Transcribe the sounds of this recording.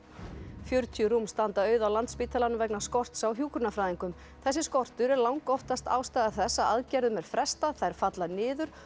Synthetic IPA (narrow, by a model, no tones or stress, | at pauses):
fjœɾt̪ʰjʏɾumst̪ant̪aœːɥðawlant̪spiːt̪ʰalanːʏvɛknaskɔr̥t̪sawɦjuːkɾʏnafɾaːðiŋkʏm | θɛsːɪskɔr̥t̪ʏɾɛɾlawŋkɔht̪ast̪a̰ːwst̪aːðaθɛsːaaðcɛɾðʏmɛɾ̥fɾɛst̪aθaɛɾ̥fat̪lanɪːðʏɾ̥